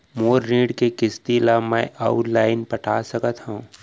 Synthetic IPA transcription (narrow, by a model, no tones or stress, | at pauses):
moːɾːĩːɖkekɪst̪ilamɛ̃ːʔaʊʈlaːɪnpəʈʰaːsəkət̪ɦũũ